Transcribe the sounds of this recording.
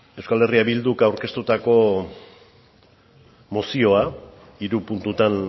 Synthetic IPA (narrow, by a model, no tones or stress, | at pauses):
e̞wskale̞riaβild̪ukawɾke̞st̪ut̪ako̞ | mo̞sio̞a | iɾupunt̪ut̪an